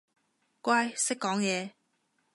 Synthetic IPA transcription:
kwaː˥jsɪ˥kːɔː˨˥ŋjɛː˨˧

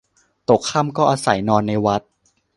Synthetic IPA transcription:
t̪o˨˩kʰːa˥˩˨mkɔː˥˩ʔaː˧sa̰˨˩˦jnɔː˧nːa˧jwa˦˥t̪̚

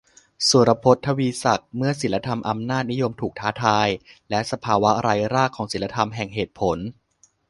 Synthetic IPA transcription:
su˨˩˦ɾa˧pʰo˦˥t̪ʰːa˧wiː˧sa˨˩k̚mɯ˥˩ɐsi˨˩˦la˧t̪ʰa˧mʔa˧mnaː˥˩t̪̚ni˦˥jo˧mt̪ʰuː˨˩k̚t̪ʰaː˦˥t̪ʰaː˧jlɛ˦˥ʔsa˧pʰaː˧wa˦˥ɾaː˧jɾaː˥˩kʰːɔː˩˦ŋsi˨˩˦nla˧t̪ʰa˧mɦɛ˨˩ŋɦeː˨˩t̪̚pʰo˩˦n

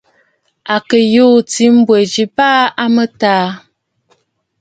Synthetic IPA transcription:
a˨kə˨joː˦t͡si˨˦m̩˦bwe˨d͡ʒi˨paː˦a˦mə˦taː˦

